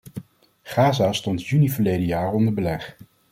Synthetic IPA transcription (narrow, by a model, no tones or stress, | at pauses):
χaːzaːstɔntjynivəɹlejdəjaːrɔndəɹbəlɛχ